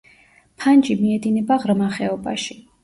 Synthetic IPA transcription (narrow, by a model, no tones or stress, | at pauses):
pʰand͡ʒimiɛd̪inɛbaʁɾmaχɛɔba̰ʃi